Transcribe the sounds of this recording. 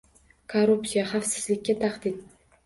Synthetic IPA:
kʰoɾupsijaχafsɪ̥zlɪkʲːat̪ʰaqd̪ɪn

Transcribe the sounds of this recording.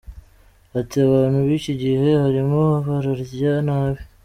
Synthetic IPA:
atiaβaːnhuβiːciɟihe̞haɾimohafaɾaɾzjanaːβi

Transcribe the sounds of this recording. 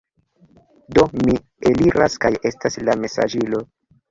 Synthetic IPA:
do̞mi | eliɾaskaje̞staslame̞sa̰d͡ʒilo̞

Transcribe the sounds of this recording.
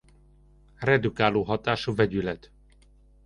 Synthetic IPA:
rɛd̪ukaːloːɦɒt̪aːʃuvɛɟylɛt̪

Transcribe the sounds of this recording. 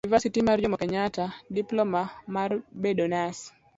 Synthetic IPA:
nivasitimard͡ʒɔmɔkɛɲatadiplɔmamarbedonas

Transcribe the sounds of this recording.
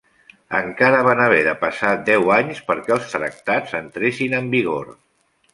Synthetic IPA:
ə̰ŋkaɾəβ̞anəβ̞ɛðəpəsat̪̚d̪ɛwaɲspəɾkɛəlˠst̪ɾə̰k̚t̪azənt̪ɾesinəmbiɣo̰ɾ

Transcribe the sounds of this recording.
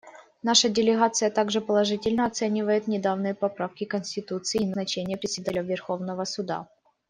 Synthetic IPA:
naʂədʲɪlʲɪɣat̪sɨjət̪aɡʐɨpəlˠɐʐɨtʲɪlʲnəɐt̪sɛnʲɪvəjɪt̪nʲɪd̪avnɨjəpɐpɾafkʲɪkənsʲtʲɪt̪ut̪sɨːnɐt͡ɕenʲɪjəpɾʲɪsʲɪd̪alʲəvʲɪrxo̞vnəvəsʊd̪a̰

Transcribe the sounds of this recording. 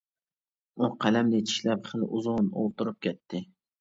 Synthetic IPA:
ʊqʰælamlɪt͡ʃʰɪ̥ʃlapχɨlʔʊzʊno̰lˠt̪ʰʊɾɨp̚kʲet̪ʰːɪ

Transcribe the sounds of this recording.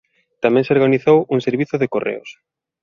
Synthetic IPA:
t̪amɛ̃ŋseoɾɣaniθowuŋseɾβiθʊðekorḛʊ̰s

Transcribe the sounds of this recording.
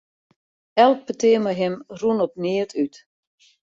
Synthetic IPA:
ɛlˠk̚pətɪəməɦɪmrunɔp̚nɪətyt

